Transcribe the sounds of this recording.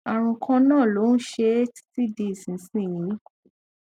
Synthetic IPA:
a˨ɾ̃ũ˧kʰã˧nãː˦˨lo˨˦n̩˦ʃe˧˦tti˦de˧˦i˨sĩ˨˦sĩ˦˨jĩ˨˦

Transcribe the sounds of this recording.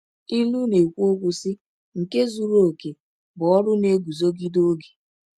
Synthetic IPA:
i˦lu˦ne˨kʷu˦o˦kʷʊ˨sɪ˦ | ŋ̩˨ke˦zu˨ɾo˦˨ke˨ | bʊ˨ɔ˦ɾʊ˦ne˦ɡu˨zo˦ɡi˦do˦ɡe̥˨

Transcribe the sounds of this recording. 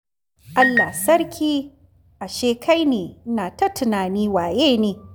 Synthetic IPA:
ʔa˦lːaː˨sɐ˦rkʲiː˦ | ʔa˨ʃeː˦kʰa˦jneː˨naː˨tɐ˦tʊ˨naː˨niː˦waː˨jeː˦neː˨

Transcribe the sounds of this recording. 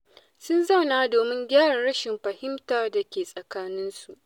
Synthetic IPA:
sʊ˦nza˦˨wnaː˦doː˨mɪ˦ŋɡʲaː˦ɽa˨ɽɐ˦ʃɪ˨mɸɐ˨hɪ˦mtaː˦da˨kʲeː˨sʼɐ˨kaː˦nɪ˦nsu˨ʔ

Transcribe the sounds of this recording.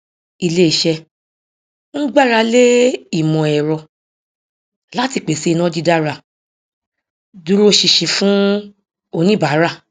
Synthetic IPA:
i˧le˦i˨ʃɛ˧ | ñ̩˦ɡ͡ba˦˨ɾa˧le˦i˦˨mɔ̃˨ɛ˨ɾɔ˧ | la˦ti˧˨k͡pe˨si˨˦˧nã˦d͡ʒi˧˦da˦ɾa˧˨ | du˦ɾo˦ʃi˧ʃi˨˧fũ˦ | o˧nĩ˦ba˨˦ɾa˦˨

